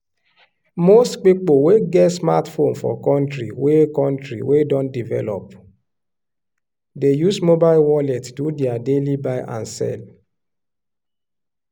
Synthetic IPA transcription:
mostk͡pik͡poweɡɛtsmatfonfɔ̰kɔ̃ntɾḭwekɔ̃ntɾḭwedɔ̃ndivɛ̰lɔ̰p | dejusmobaɪlwɔlɛttudiadelibaɪʔa̰nsɛ̰l

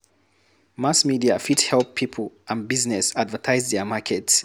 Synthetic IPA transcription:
masmidiafithɛlˠpʰipʰl̩ˠʔə̃nbiznɛsadvətʰaɪzðɛmakʰɛts

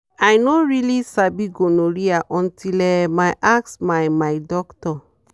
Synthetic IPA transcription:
ajnoɹilisabiɡonoɾiaʔɔ̃ntilɛmajʔaksmajmajdɔktɔ

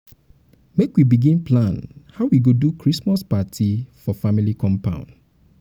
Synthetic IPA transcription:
mekwibiɡĩnplãnhaʊwiɡodukʰɹismaspatʰifɔfamilikʰɔ̃mpã̰ʊ̃n

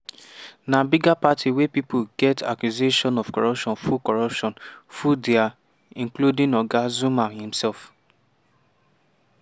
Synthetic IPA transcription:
nabiɡapatʰiwepipoɡɛta̰kjuzeʃɔ̃nɔfkɔɹpʃɔ̃nfukɔɹɔpʃɔ̃nfudia | ĩnkludĩŋɔɡazũmahĩm̩sɛlf

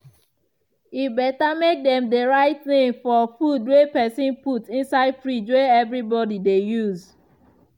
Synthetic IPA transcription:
ibɛtamek̚dɛ̃mdeɹaɪt̚θĩŋfɔfudwepɛsĩnputĩnsaɪdfɹid͡ʒweɛvɹibɔdidejuz

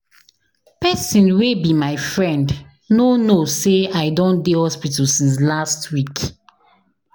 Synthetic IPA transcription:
pɛsĩnwebimaɪfɹɛ̃nd | nonoseaɪdõndihɔspitɔsĩnslastwik

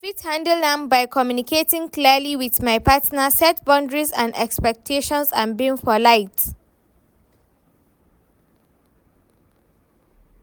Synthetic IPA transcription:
fithãndəldãmbaɪkʰɔmjunikʰetĩŋkliəliwiðmaɪpʰatnəsɛt̚bɔ̃ndɹizã̰ndɛ̰kspɛk̚tʰeʃɔ̃nsã̰nbĩŋfɔlaɪt

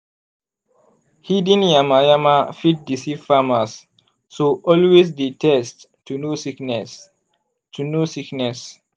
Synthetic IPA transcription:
hidĩnjamajamafit̚disiv̥famasː | oʔɔlwes̬ditʰɛst | tːunosiknɛ | tʰunosiknɛs

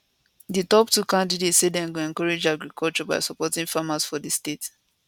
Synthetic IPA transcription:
ditɔptukãndidetsedɛ̃nɡuɛ̃nkɔɹed͡ʒaɡɹikʰɔlt͡ʃɔba̰ɪsɔpɔtĩŋfamasfɔdistet

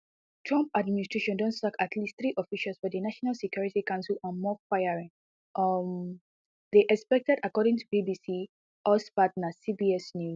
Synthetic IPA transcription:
tʰɹɔ̃mpadministɹ̥eʃɔ̃ndɔ̃nssakatʰlistθɹiʔɔfiʃalˠsfɔdənaʃɔnalˠsɛkjɔɹitikãʊ̃nsəlɔ̃nmɔfaɪaɹĩŋ | ʔm | ðeʔɛkspɛk̚tɛdakɔɾɪ̃ŋtʰubibisi | ʔɔspatnasibiɛsnju

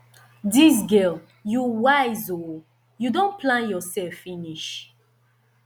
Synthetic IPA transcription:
dis̬ɡɛl | juwajzo | judõnpʰlãnjɔsɛfːiniʃ

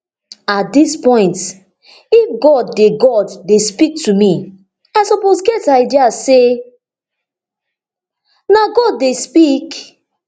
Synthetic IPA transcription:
at̚dispɔ̃ɪ̃nt | ifɡɔdːeɡɔdːespik̚tumi | aɪsɔposɡɛtaɪdiase | naɡɔdːespik

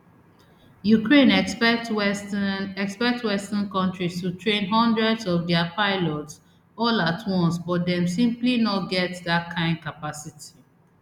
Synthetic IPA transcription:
jukɹẽnɛt | ɛkspɛk̚twɛstãnkɔ̃ntɹistutʰɹẽnɦɔ̃ndɹɛdsɔfdɛapaɪlɔts | ɔlatʰwɔ̃nsbɔtdɛ̃msĩmplinɔt̚ɡɛtðat̚kʰãɪ̃nd̚kapasitʰi̥

